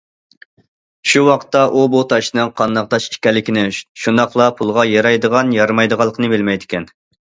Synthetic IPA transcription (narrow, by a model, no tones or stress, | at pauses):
ʃuwɑqt̪ːɑʔubut̪ʰɑʃnɨŋqʰɑnd̪ɑq̚t̪ɑʃi̥ʃkʲɛlːɪkʲinɪʃund̪ɑqlˠɑpʰulˠʁɑjɑɾɑjd̪əʁɑnjɑɾmɑjd̪əʁɑlˠːəqʰənɨbɪlmɛjd̪ɪkʲʰɛn